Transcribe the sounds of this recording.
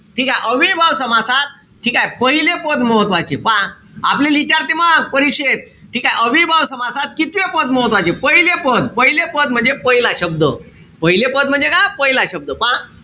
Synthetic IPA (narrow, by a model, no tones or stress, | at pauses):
ʈʰiːkajʔəʋibʱaʋsəmasat̪̚ | ʈʰiːkajpəɦilepəd̪məɦət̪ʋat͡ɕepã | a̰plelit͡ɕaɾt̪imapəɾikʂet̪̚ | ʈʰiːkajʔəʋibʱaʋsəmasat̪̚kit̪jepəd̪̚məɦət̪ʋat͡ɕepəɦilepəd̪pəɦilepəd̪̚m̤əɳd͡zepəɦilaɕəb̚d̪ə | pəɦilepəd̪̚m̤ənd͡zekajpəɦilaɕəb̚d̪əpã